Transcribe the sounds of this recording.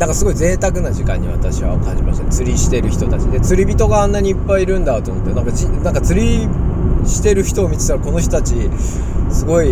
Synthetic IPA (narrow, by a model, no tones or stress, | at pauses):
nãŋkasɨɡo̞ize̞ːt̪akɯ̟naʑikã̰ɲ̟ːḭβa̰t̪aɕiβa̰kã̰ɲ̟d͡ʑimaɕit̪at͡sɨɾʲiɕi̥t̪e̞ɾɯ̟çi̥t̪o̞t̪at͡ɕid̪e̞t͡sɨɾʲibʲit̪o̞ɡaanːaɲ̟iːpːaiiɾɯ̟̃nd̪at̪o̞mot̪ːenaŋkat͡ɕinãŋkat͡sɨɾʲi | ɕi̥t̪e̞ɾɯ̟çi̥t̪o̞ːmʲit͡sɨ̥t̪aɾako̞no̞ç̬ʲt̪ot̪at͡ɕi | sɨɡo̞i